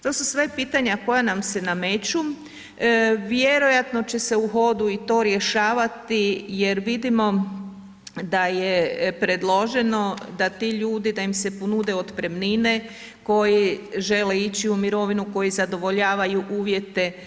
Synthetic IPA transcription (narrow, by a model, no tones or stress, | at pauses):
t̪o̞ːsusʋepiːt̪aɲako̞janamse̞name̞t͡ɕu | ʋjeɾo̞jat̪no̞t͡ɕe̞se̞uɦo̞d̪uit̪o̞ɾje̞ʃaːʋat̪ije̞ɾʋid̪imo̞ | d̪ajepɾe̞d̪lˠo̞ʒe̞no̞d̪at̪iʎuːd̪id̪aimse̞ponud̪e̞od̪pɾe̞mnine | ko̞jiʒe̞leit͡ɕiumiɾo̞ʋinuko̞jizad̪o̞ʋo̞ʎaːʋajuʔuːʋje̞t̪e̞